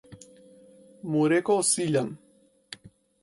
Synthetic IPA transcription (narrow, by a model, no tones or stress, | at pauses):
muɾekosiʎaŋ